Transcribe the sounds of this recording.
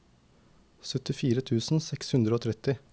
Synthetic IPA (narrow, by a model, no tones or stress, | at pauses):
sœt̪ɪfiːɾət̪ʰʉːsn̩sɛkshʉnd̪ɾəoːt̪ʰɾɛt̪ɪ